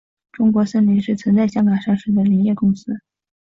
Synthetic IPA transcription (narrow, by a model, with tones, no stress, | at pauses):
ʈ͡ʂʊ˥ŋkwɔ˧˥sə˥nli˧˥ŋʂɻ̩˥˩t͡sʰwə˧˥nt͡sa˥˩ɪɕjɑ˥ŋka˨˩ŋʂɑ˥˧ŋʂ̩˥˩d̪ə˩li˧˥njɛ˥˩kʊ˥ŋsɹ̩˥